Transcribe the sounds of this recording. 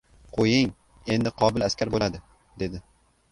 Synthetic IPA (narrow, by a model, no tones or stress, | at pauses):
qʰojɪŋ | e̞nd̪ɪqʰɒbɪlaskʲaɾbolad̪ɪ | d̪e̞d̪ɪ